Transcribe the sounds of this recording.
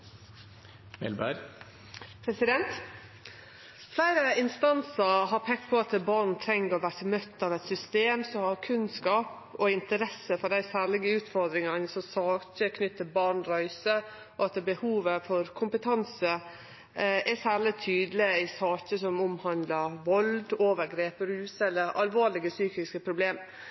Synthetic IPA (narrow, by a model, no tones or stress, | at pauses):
ʋɛ̰lbæ̰ɾ | pʰɾɛsɪd̪ɛnt̪ | flæɪɾəɪnst̪ɑnsəɦɑɾpʰɛk̪̚pʰɔɑt̪bɑɾɳ̩t̪ʰɾɛŋːəɾɔʋæːɾtəmœt̪ːɑʋɛt̪sʏst̪eːmsɔhɑɾkʰʉnskɑːp | ɔɪnt̪əɾɛsəfɔd̪æɪsæːɭɪɡəʉːt̪fɔɾd̪ɾɪŋɑnəsɔsɑːɕəkʰnʏt̪ʰːəbɑɳɾœʏsə | ɔɑt̪bəhuːʋəfɔɾkʰʊmpət̪ʰɑnsə | ɛsæːlɪt̪ʰyːd̪lɪɪsɑːkəsɔmʊmhɑnd̪ləɾʋɔld̪oːʋəɾɡɾeːpəɾʉːsɛlːəɾɑ̰lʋoːlɪɡəsyːkɪskəpʰɾʊbleːm